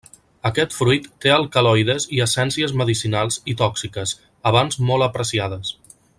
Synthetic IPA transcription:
əkɛt̪fɾujt̪ːeəlˠkəlɔjðəziəsɛnsiəzməðisinalˠzit̪ɔksikəz | əβ̞anzmɔlˠəpɾəsiað̞əs

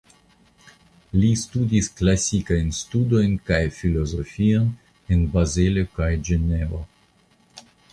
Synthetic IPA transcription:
listudisklasikajnstudo̞jnkajfilozofion | enbazelekajd͡ʒenevo

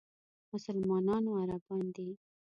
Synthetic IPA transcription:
mʊsalmɑnɑnoaɾabɑnd̪i

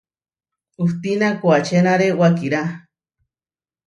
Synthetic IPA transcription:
uht̪inakuat͡ʃʰenaɾewakiɾa

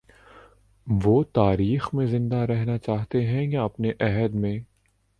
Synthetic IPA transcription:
ʋoːt̪aːɾiːxmẽzɪ̃nd̪aɾɛɦnat͡ʃaːɦt̪eɦɛ̃jaɐpneʔɛɦəd̪mẽ

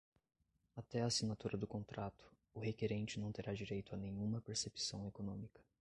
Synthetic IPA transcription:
at̪ɛasinat̪uɾɐd̪ʊkõnt̪ɾat̪ʊ̥ | ʊɦekeɾẽnt͡ʃɪnɐ̃w̃t̪eɾad͡ʒiɾejt̪ʊanẽɲ̃ũmɐpeɾsepsɐ̃w̃ekonõmikɐ̥

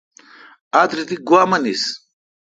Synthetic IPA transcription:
ad̪ɾit̪iɡwamɐnis

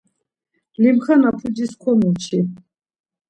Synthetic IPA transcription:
limχanapʰud͡ʒiskʰɔnut͡ʃʰi

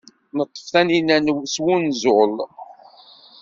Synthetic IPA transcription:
nət̪ˤːə̥fθæninænwswunzol

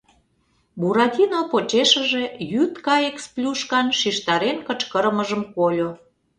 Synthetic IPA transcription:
buɾɑt̪ʲinopot͡ɕeʃə̆ʒejyt̪kɑeksplʲuʃkɑnʃiʃt̪ɑɾenkət͡ɕkəɾəməʒəmkolʲo

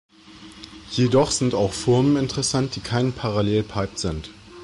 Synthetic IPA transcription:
jedɔχz̥ɪntaʊxfɪɐmənɪntəʁɛsant̚d̥iːkʰaɪnpʰaʁaleːlpʰaɪp̚z̥ɪnt

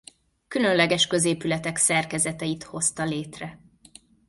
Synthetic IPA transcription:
kylø̞nlɛɡɛʃkø̞zeːpylɛt̪ɛksɛrkɛzɛt̪ɛjit̪ho̞st̪ɒleːt̪rɛ

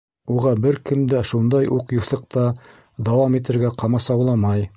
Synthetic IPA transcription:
uʁɑbɘɾkɘ̆md̪æʃund̪ɑjʔuqjuθɤ̆qt̪ɑ | d̪ɑwɑmit̪ɘ̆ɾɡæqɑmɑsɑwlˠɑmɑj

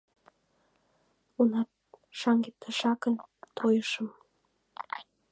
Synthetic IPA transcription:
unɑt̪̚ʃɑŋɡet̪ʰːəʃɑkənt̪ʰojəʃə̆m

